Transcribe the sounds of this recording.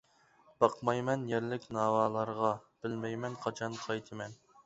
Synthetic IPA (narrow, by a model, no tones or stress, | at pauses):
b̥ɑqmɑjmɛnjɛɾlɪkʲnɑːwɑːlˠɑɾʁɑb̥ɪlmɛjmɛnqʰɑt͡ʃʰɑnqʰɑjt̪ʰɨmɛn